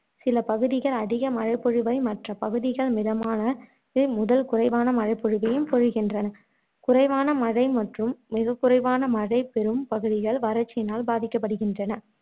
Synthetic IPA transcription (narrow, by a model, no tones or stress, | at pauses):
sɪlɐpɐɣɯðɪɣɐɭɐðɪɣɐmɐɻɐɪpːɔɻɯʋɐɪmɐʈrɐpɐɣɯðɪɣɐɭmɪðɐmaːnɐ | mʊðɐlkʊrɐɪʋaːnɐmɐɻɐɪpːɔɻɯʋɐjɯmpɔɻɯɣɪndrɐnɐ | kʊrɐɪʋaːnɐmɐɻɐɪmɐʈrɯmːɪɣɐkːɯrɐɪʋaːnɐmɐɻɐɪpɛɾɯmpɐɣɯðɪɣɐɭʋɐɾɐt͡ʃːɪnaːlbaːðɪkːɐpːɐɽɯɣɪndrɐnɐ